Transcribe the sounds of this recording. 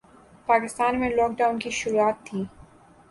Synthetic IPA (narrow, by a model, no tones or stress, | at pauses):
paːkɪst̪aːnmẽlɔːk̚ɖaːʊnkiʃʊɾuaːt̪ʰːiː